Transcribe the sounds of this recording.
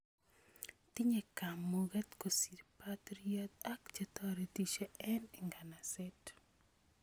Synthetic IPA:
t̪i˦ɲe˨ka˨mːoɡɛ˦t̪ko˨si˨tpat̪ɾiɔt̪a˦kt͡ʃet̪ɔɾetit͡ʃe˦ɛ˦ni˨ŋɡa˨nasɛt

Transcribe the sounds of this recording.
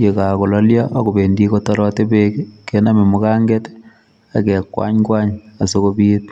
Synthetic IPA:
je˨ka˨ko˨lɔ˦lja˦ʔa˦ko˨be˨ndi˦ko˦tɔ˦ɾɔte˦bekkːena˦me˨mu˦ka˦ŋɡɛt | a˨kɛ˨kwa̰˦ɲkwa˦ɲa˨so˦ko˦bi˦t̚

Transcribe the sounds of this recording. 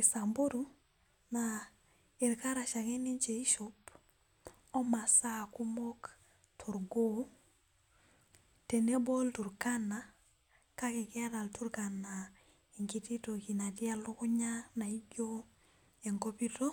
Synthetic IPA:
i˨sa˨mbo˦ɾu˦ | na˨ | e˨ɾka˦ɾa˨ʃa˨kɛ˦ni˦ɲt͡ʃe˨i˦ʃo˦p | ɔ˦ma˨sa˦ku˦mɔ˦k | tʰu˨ɾɡo˦ | te˨ne˦bo˦ltu˨ɾka˦na˨ | ka˦kɪ˨kɛ˦ɾa˨ltu˦ɾka˨na˨ | i˨ŋki˦ti˦to˨ki˨na˨ti˦a˦lʊ˦kʊ˦ɲa˦na˨i˦ɡo˦ | e˨ŋko˦pi˦to˦

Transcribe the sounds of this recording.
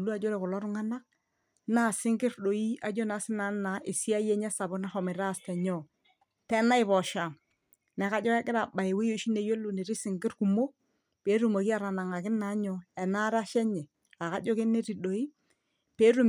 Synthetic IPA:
lu˦a˨d͡ʒo˦ɾɛ˨kʊ˨lɔ˦ɾʊ˦ŋa˦na˦k̚ | na˦˨sɪ˦ŋɡɪ˦ɾɗo˨i˦a˨d͡ʒo˦na˨˦sɪ˦na˨˦na˨ʔɪ˨si˦a˦jɛ˦ɲɛ˦sa˨bʊ˦na˦xɔ˨mɪ˨ɾa˦˨stɛ˨ɲɔ˦˨ | tɛ˦na˦ɪ˨βɔ˨ʃa˨m | nɛ˨ka˦d͡ʒɔ˦kɛ˦kɪ˦ɾa˨ba˨ɪ˨we˦jo˦ʃi˦ne˨je˦lu˨ne˨ɾɪ˦sɪ˨ŋɡɪ˦ɾku˨mo˦ | pe˨˦ɾu˨ma˨ki˦a˦˨ɾa˨na˨ŋa˨kɪ˦na˨˦ɲɔ˨ɛ˨na˦ɾa˦ʃɛ˦ɲɛ˨ | a˨ka˦d͡ʒɔ˦ke˦ne˦ɾi˨ɗo˨i˦ | pe˨˦ɾu˦

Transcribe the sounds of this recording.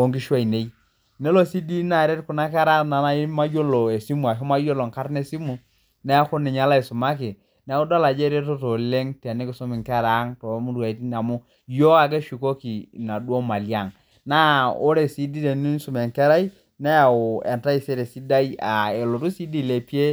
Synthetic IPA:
o˦ŋki˦ʃwa˦˨i˨ne˦i˦ | ne˦lo˦si˦di˦na˨ɾe˦tkʊ˨na˦kɛ˦ɾa˦na˨na˦i˦ma˦jo˦lo˨e˨si˦mu˨a˨ʃɔ˦ma˦jo˦lo˨ŋka˦ɾne˦si˦mu˨ | nɛ˦a˦kʊ˦nɪ˨ɲa˦la˦i˨sʊ˨ma˦kɪ˨ | n˦ʊ˦da˦la˨d͡ʒe˦ɾe˦to˦to˨le˦ŋta˨ni˦kɪ˦su˦mɪ˨ŋkɛ˦ɾa˨˦ŋto˨˦mu˦ɾu˨a˨˦ti˦na˨mʊ˦ | jo˦a˨k̬e˦ʃi˨ko˦ki˨na˨dwo˦ma˨li˦a˦˨ŋ | na˦o˦ɾe˨si˦di˦le˨ni˦su˨me˨ŋkɛ˦ɾa˦i˦ | nɛ˦a˨ʊ˨ḛ˨nta˦i˨se˦ɾe˨si˦da˦i˦a˨e˨lo˨tu˦si˦di˦˨le˨pi˦e˦

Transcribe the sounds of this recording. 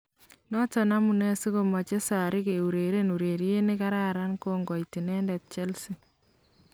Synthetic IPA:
nɔ˦tɔ˨na˦mu˨ne˦si˦ko˨ma˨t͡ʃe˦sa˨ɾɪ˦ke˨u˨ɾe˨ɾe˦nu˨ɾe˨ɾje˦ne˦ka˦ɾa˦ɾa˦nkoŋɡɔ˨iti˨nɛ˦ndɛ˨t̚t͡ʃe˦lsi˨

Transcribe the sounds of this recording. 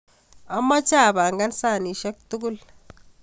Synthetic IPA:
a˦mːa˦t͡ʃa˦˨ba˨ŋɡa˦nsa˦˨ni˨ʃe˦k̚tu˦ɡu˦l

